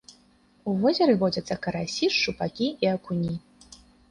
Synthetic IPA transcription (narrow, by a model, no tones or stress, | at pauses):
uvɔzʲɛɾɨvɔd͡zʲɐt̪sːɐkɐɾasʲiʂt͡ʂupakʲiiɐkunʲi